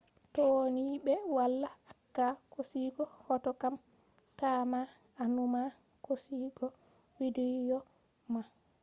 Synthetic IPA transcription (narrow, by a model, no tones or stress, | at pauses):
tɔoniɓɛwalːaakːakosiːɡɔhɔtɔkam | taːmaː | numa | kosiɡɔ | widijɔ | ma